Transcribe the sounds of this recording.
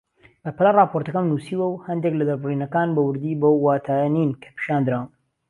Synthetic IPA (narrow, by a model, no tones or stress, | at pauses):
bɐpɐlarˤɑːpʰoɾt̪ɐkɐnmnuːsiːwɐwhɐnd̪eklɐd̪ɐɾbɨriːnɐkaːnbɐwɨɾd̪iːbowːaːt̪ʰaːjɐniːnkʰɐ̥pʰɨ̥ʃaːnd̪ɨɾawm